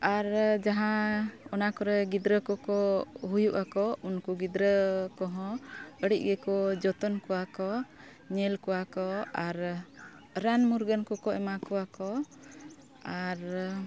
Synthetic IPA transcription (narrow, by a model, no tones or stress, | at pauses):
aɾd͡ʒaɦãɔnakɔɾɛɡid̪ɾəkɔkɔɦujuʔakɔunkuɡid̪ɾəkɔɦɔ̃əɽic̚ˀɡɛkɔd͡ʒɔt̪ɔnkɔwakɔ | ɲɛlkɔwakɔaɾ | ɾanmuɾɡənkɔkɔɛmakɔwakɔ | aɾ